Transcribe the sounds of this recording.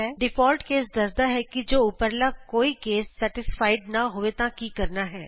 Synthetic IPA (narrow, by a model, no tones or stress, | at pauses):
ɛːɖɪpʰɔːlʈkeːsd̪əsd̪aːɦɛːkɪd͡ʒoːʊpəɾlaːkoːiːkeːsːɛʈɪspʰaːɪɖnaːɦoːʋeːt̪ãːkiːkəɾnaːɦɛː